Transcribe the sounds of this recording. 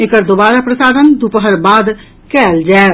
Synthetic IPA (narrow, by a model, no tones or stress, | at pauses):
eːkəɾd̪oːbaːɾapɾəsaːd̪ənd̪upəɦəɾbaːd̪ | kɛːld͡ʒaːe